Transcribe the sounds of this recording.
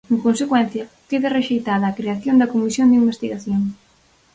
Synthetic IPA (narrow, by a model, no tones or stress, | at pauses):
eŋkonsekwɛnθjɐ | keðɪreʃejt̪aðɐːkɾeaθjond̪ɐkomisjond̪imbest̪iɣaθjoŋ